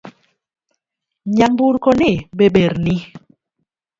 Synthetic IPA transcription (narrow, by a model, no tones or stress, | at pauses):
ɲambuɾkɔneɓeɓeɾni